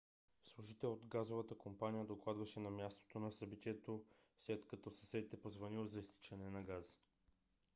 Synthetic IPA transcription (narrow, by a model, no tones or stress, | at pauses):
slˠuʒit̪ɛlod̪ɡazovət̪əkompanijəd̪oklˠad̪vɐʃɛnɐmʲjast̪o̥t̪onɐsɐbit̪iɛt̪oslɛt̪kɐt̪ɔsə̥sɛd̪it̪ɛpozvɐnilˠzɐist̪i̥t͡ʃɛnɛnɐɡaz